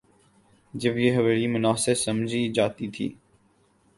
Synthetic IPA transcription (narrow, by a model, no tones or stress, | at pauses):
d͡ʒəbjeːɦɐʋeːɾimʊnaːsɪɾsɐmd͡ʒʱid͡ʒaːt̪it̪ʰḭː